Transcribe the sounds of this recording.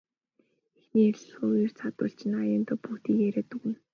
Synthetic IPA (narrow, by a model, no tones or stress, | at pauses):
exniːerɮ̆xoːujĭr̥t͡sʰat̪ə̰̆ɬt͡ɕɪ̆najɪnt̪ɔpuːt̪iːkeɾeːt̪uɣɘ̆n